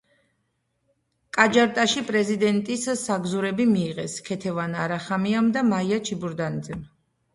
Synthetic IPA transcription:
kʼad͡ʒaɾt̪ʼaʃipʼɾɛzid̪ɛnt̪ʼisaɡzuɾɛbimiːʁɛskʰɛt̪ʰɛvanaɾaχamiamd̪amaiat͡ʃʰibuɾd̪anid̪zɛm

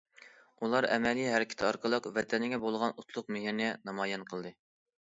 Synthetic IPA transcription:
ulˠɑɾɛ̰mɛlijɦɛɾɪkʲʰɪ̥t̪ʰɑɾqʰəlˠəqvɛt̪ʰɛnɪɡʲɛbolˠʁɑnut̪ʰlˠʊq̚mɪɦiɾnɛnɑmɑjɛnqʰəlˠd̪ɨ

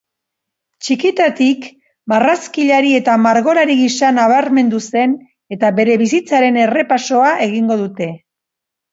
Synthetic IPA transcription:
t͡ʃikit̪at̪ik | baraskiʎaɾie̞t̪amaɾɣo̞ɾaɾiɣisanaβ̞aɾme̞nd̪use̞n | e̞t̪aβe̞ɾe̞βisit͡saɾe̞ne̞re̞paso̞aʔe̞ɣ̞iŋɡo̞ðut̪e̞

